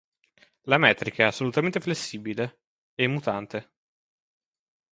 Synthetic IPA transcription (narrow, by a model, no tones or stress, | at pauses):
lamɛːt̪ɾikaɛasːolut̪ament̪eflesːiːbile | emːut̪ant̪e